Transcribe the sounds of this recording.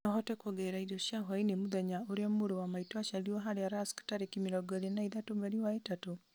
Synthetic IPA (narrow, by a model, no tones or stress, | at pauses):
ɔɦɔtɛkɔɡɛɾaidoʃjaɦwainemuðɛɲaoɾeamoɾowamaitwaʃaliɔɦaɾeaɾaskḁtaɾekimiɾɔɡɔðenaiðatomɛɾiwaetato